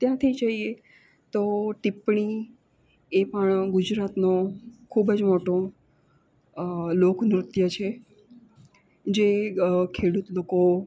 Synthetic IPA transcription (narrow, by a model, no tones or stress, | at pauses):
t̪jãt̪ʰid͡ʒəɦie | t̪oʈipɳi | epəɳɡʊd͡ʒɾat̪nokʰubd͡ʒmoʈõ | lokmɾʊt̪jət͡ʃʰe | d͡ʒekʰeɽut̪loko